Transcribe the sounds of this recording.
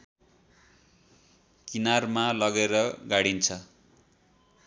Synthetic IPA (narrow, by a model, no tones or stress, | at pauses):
kinarmalʌɡeɾʌɡaɽint͡sʰʌ